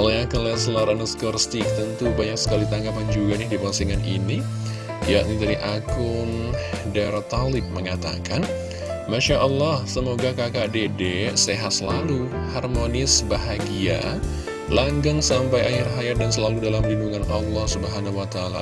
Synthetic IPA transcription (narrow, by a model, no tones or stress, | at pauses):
laakəlɛsəlaɾansə̥kərst̪ikt̪ənt̪ubaɲak̚sə̥kalit̪aŋɡapand͡ʒuɡanɪhdipasiŋanḭni | jaʔnit̪adiʔakʊndaɾat̪alɪp̚məŋat̪a̰kan | maʃaʔəlːɑhsəmoɡakakadedeseɦat̪səlaluharmonɪsbaɦaɡia̰ | laŋɡaŋsampajahɪrɦajat̪̚dansəlaludalamlinduŋanɑlːɑhsubəɦanauwat̪aala̰